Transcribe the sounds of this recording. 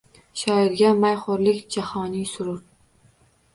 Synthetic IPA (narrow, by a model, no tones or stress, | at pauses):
ʃɒɪɾɡʲamajχʊɾlɪkʲd͡ʒahɒnɪsʊɾʊɾ